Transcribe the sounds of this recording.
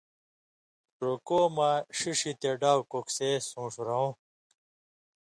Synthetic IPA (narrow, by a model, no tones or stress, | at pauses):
ʈɾokoːmaʂiʂit̪eɖaːwkoksesũːʂɾow̃